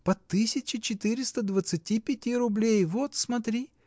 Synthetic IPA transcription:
pɐt̪ːɨsʲɪt͡ɕɪt͡ɕɪt̪ɨɾʲɪst̪əd̪vət̪sɨtʲipʲɪtʲiɾʊblʲejvot̪smɐt̪ɾʲi

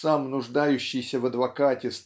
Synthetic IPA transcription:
samnʊʐd̪ajʉɕːɪjsʲəvəd̪vɐkatʲɪs

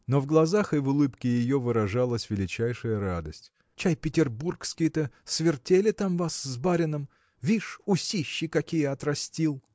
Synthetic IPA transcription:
novɡlˠɐzaxɨvʊlˠɨpkʲɪjɪjo̞vɨɾɐʐalˠəsʲvʲɪlʲɪt͡ɕæjʂɨjəɾad̪əsʲtʲ | t͡ɕajpʲɪtʲɪrburkskʲɪjɪt̪əsvʲɪrtʲelʲɪt̪amvaszbaɾʲɪnəm | vʲiʂʊsʲiɕːɪkɐkʲijəɐt̪rɐsʲtʲilˠ

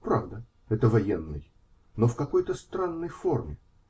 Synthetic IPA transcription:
pɾavd̪ə | ɛt̪əvɐjenːɨ̰j | nofkɐko̞jt̪əst̪ɾanːəjfo̞rmʲɪ

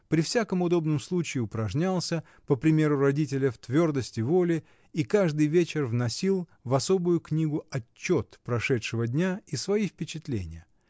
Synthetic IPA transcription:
pɾʲɪfsʲakəmʊd̪o̞bnɨmslˠut͡ɕɪːʊpɾɐʐnʲalˠsʲə | pəpɾʲɪmʲe̞ɾʊɾɐdʲit̬ʲɪlʲəft̪vʲo̞rd̪əsʲtʲɪvo̞lʲɪ | ikaʐd̪ɨjvʲet͡ɕɪrvnɐsʲilˠvɐso̞bʊjʊknʲiɡʊɐt͡ɕːo̞t̪pɾɐʂɛtʂɨvədʲnʲaisvɐifpʲɪt͡ɕɪt̪lʲḛnʲɪ̰jə

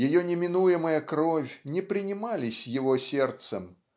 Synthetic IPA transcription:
jajɔnʲɛmʲinujɛmɐjɐkɾɔfʲnʲɛpɾɨnʲimalʲisʲjaɣɔsʲɛrt̪sɐ̰m

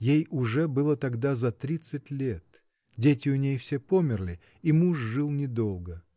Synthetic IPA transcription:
jejʊʐɛbɨlˠət̪ɐɡd̪azɐt̪ɾʲit̪sɨtʲlʲet̪ | dʲetʲɪʊnʲejfsʲepomʲɪrlʲɪ | imuʂʐɨlˠnʲɪd̪o̞lˠɡə

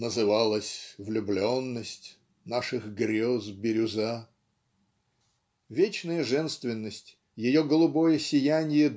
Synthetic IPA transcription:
nəzɨvalˠəsʲvlʲʊblʲonːəsʲtʲ | naʂɨxɡɾʲozbʲɪɾʲʊza | vʲet͡ɕnəjəʐɛnst̪vʲɪnːəsʲtʲ | jɪjoɡəlˠʊbojəsʲɪjænʲɪjə

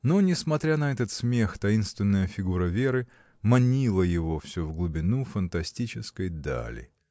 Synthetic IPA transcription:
nonʲɪsmɐt̪ɾʲanɐɛt̪ət̪smʲe̞xt̪ɐinst̪vʲɪnːəjəfʲɪɡuɾəvʲe̞ɾɨ | mɐnʲilˠəjɪvo̞fsʲovɡlˠʊbʲɪnufənt̪ɐsʲtʲit͡ɕɪskəjd̪a̰lʲɪ̰

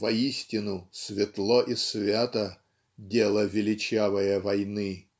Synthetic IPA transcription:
vɐisʲtʲɪnʊsvʲɪt̪lˠoʔisvʲat̪ə | dʲelˠəvʲɪlʲɪt͡ɕavəjəvɐjnɨ

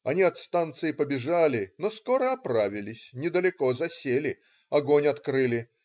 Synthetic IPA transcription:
ɐnʲiɐt̪st̪ant̪sɨɪpəbʲɪʐalʲɪnoskoɾəɐpɾavʲɪlʲɪsʲnʲɪd̪əlʲɪko̞zɐsʲelʲɪ | ɐɡonʲɐt̪kɾɨlʲɪ

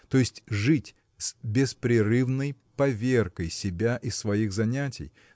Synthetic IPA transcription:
t̪o̞jɪsʲtʲʐɨtʲ | sbʲɪspɾʲɪrɨvnəj | pɐvʲerkəjsʲɪbʲaʔɪsːvɐixzɐnʲætʲɪ̰j

